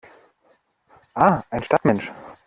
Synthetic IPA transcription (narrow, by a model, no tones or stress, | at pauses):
ʔaːʔaɪnʃtatmɛnʃ